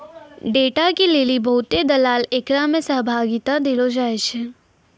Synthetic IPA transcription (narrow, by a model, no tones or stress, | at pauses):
ɖeːʈakilelibʱəɦut̪ed̪əlaːleːkɾamẽsəɦbʱaːɡit̪ãd̪ilod͡ʒaet͡ʃʰe